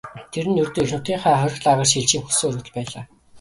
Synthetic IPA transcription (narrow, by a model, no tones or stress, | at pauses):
t̪ʰeɾɘ̆nːɵrt̪oːixnʊt̪iːɴχæːχœɾ̆ʲɮaʁə̆ːrt͡ɕiɮt͡ɕiːmxɵsɵ̆ɵɾɵ̆ːt̪̆ɮpæːɮaː